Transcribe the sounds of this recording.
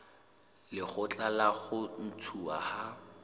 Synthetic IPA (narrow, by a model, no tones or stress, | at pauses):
lɪχʊt͡ɬʼalaɣʊn̩tʰua̰ha